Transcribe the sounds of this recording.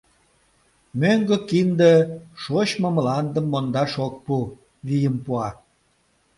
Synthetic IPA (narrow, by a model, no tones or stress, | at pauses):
møŋɡəkind̪əʃoɕmomlɑnd̪əmːond̪ɑʃok̚pu | βijəmpuɑ